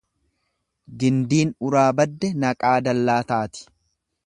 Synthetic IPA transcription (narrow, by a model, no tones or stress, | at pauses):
ɡɪnd̪iːnʊɾaːbɐd̪ːɛnɐkʼaːd̪ɐlːaːt̪aːt̪ɪ̥